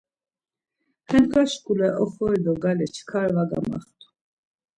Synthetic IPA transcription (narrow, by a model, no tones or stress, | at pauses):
hɛnkʰaʃkʼulɛʔɔχɔɾd̪ɔɡalit͡ʃʰkʰaɾvaɡa̰mɑ̰χt̪ʰu̥